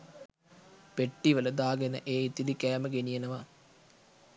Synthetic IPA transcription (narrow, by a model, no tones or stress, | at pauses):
peʈːiʋələd̪aːɡenə̰ʔeːit̪ːid̪ikæːməɡenijenɐʋa